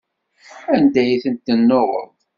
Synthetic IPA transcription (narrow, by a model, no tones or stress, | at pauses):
ænd̪æjθənt̪ːənːoʁə̰ðˤ